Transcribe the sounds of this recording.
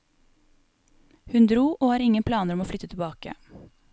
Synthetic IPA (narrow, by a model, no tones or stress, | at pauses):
hʉnd̪ɾuːʔoːhɑːɾɪŋənpʰlɑːnəɾɔmoːflʏt̪ət̪ʰɪbɑːkə̰